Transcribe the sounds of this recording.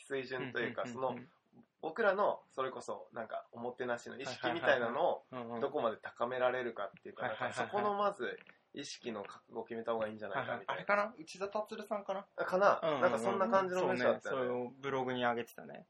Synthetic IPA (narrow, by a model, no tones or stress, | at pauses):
sɨiʑɨ̃nt̪o̞jɯ̟ːkaso̞no̞ | bo̞kɯ̟ɾano̞so̞ɾe̞ko̞so̞̰nãŋka̰omo̞t̪ːe̞naɕino̞iɕi̥kʲimʲit̪ainano̞ːdd̪o̞ko̞mad̪e̞t̪ḁkame̞ɾaɾe̞ɾɯ̟kat̪ːe̞jiɯ̟kanãŋkaso̞ko̞no̞mazɨ | iɕi̥kʲino̞kakɯɡoːkʲime̞t̪ahoːɡaĩːɲ̟d͡ʑanaika̰mʲit̪aɾaɾekanaɯ̟t͡ɕizat̪at͡sɨɾɯ̟sãŋkanakanãnːãŋkasõnːakãɲ̟d͡ʑinomẽɕid̪at̪ːajoɾeobɯ̟ɾo̞ɡɯ̟ɲ̟iaɡet̪e̥t̪ane̞̰